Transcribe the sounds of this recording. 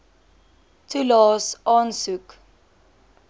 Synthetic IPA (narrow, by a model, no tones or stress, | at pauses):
tʰulɔsʔɔ̃nsuk